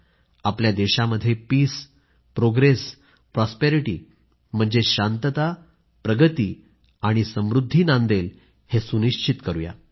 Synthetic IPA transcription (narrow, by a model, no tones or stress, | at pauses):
apljad̪eɕaməd̪ʱːjepiːs | pɾoɡɾes | pɾɔspeɾiʈiː | m̤əɳd͡zeɕant̪ət̪a | pɾəɡət̪iː | aɽ̃isəmɾud̪ʱːiːnãnd̪el | hesuniɕt͡ɕit̪kəɾuja̰